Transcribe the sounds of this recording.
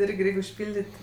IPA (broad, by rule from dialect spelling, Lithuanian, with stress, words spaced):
ˈɪrʲɡʲɪ ˈrʲɛɪkʲ ʊʃʲˈpʲɪlʲdʲɪtʲ